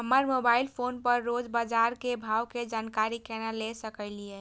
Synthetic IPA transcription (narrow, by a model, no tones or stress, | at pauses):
ɦəməɾmobailpʰonpəɾːod͡ʒbad͡ʒaɾkebʱawked͡ʒankaɾikenalesəkəɪlijɛ